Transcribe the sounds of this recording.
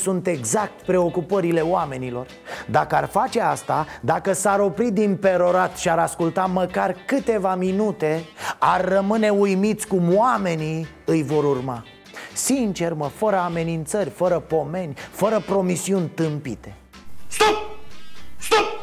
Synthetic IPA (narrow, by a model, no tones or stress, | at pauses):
sunt̪e̞ɡzak̚t̪pɾe̞o̞kupəɾile̞owame̞nilo̞r | d̪akəarfat͡ʃe̞ast̪ad̪akəsaɾo̞pɾid̪inpe̞ɾo̞ɾat̪ʃiaɾaskult̪aməkarkɨt̪e̞vaminut̪e̞arːəmɨne̞ujmit̪sʲkumwame̞ni | ɨjvo̞ɾurma | sint͡ʃe̞rməfəɾəame̞nint̪sərʲfəɾəpo̞me̞nʲfəɾəpɾo̞misiunʲt̪ɨmpit̪e̞ | st̪u | st̪u